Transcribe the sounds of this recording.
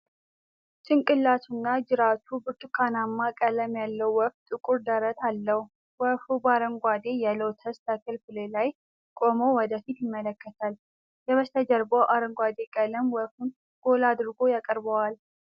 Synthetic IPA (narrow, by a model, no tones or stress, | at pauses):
t͡ʃɨŋkʼɨlːat̪ʰunːad͡ʒɨɾat̪ʰubɨɾt̪ʰʼukʰanamːakʼələmjalːəwːɔft̪ʼɨkʼuɾd̪əɾət̪ʰalːəhu | wəfubaɾəŋɡʷad̪e̞jalowt̪ʰəst̪ʰəkʰɨlfɨlelaj | kʼo̞mowɔd̪əfit̪jɪmːələkʰːət̪ʰal | jɛβəst̪ʰəd͡ʒəɾbəwʔaɾəŋɡʷad̪e̞kʼələmwɔfun | ɡ̥o̞lad̪ɾɡo̞jakʼəɾbəwal